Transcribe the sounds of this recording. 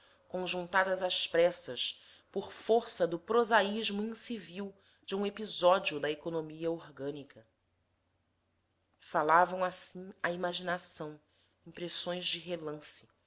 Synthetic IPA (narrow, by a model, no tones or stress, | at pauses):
kõʒũnt̪ad̪ɐzaspɾɛsɐs | poχfoɾsɐd̪ʊpɾozaiʒmʊĩsiviw | d͡ʒɪũepizɔd͡ʒiʊd̪ɐekonomiɐoɾɡɐ̃nikʰɐ | falavɐ̃w̃asĩɐimaʒinasɐ̃w̃ | ĩpɾesõj̃zd͡ʒɪɦelɐ̃sɪ̥